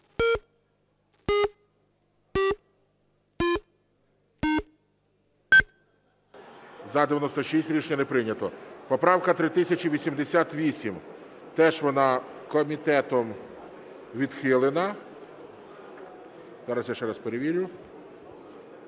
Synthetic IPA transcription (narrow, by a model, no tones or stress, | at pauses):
zɐd̪eʋʲjɐnɔst̪ɔʃisʲtʲɾʲit͡ʃɲʲɐnepɾɪnʲɐt̪ɔpɔpɾɑwkɐt̪ɾɪt̪ɪsʲɐt͡ʃiʋʲisʲimd̪esʲat̪ʋʲisʲim | t̪ɛʒʋɔnɑkɔmʲit̪ɛt̪ɔm | ʋʲid̪xɪlˠenɐ | zɑɾɐsjaʃt͡ʃɛɾɐspeɾeʋʲiɾʲʊ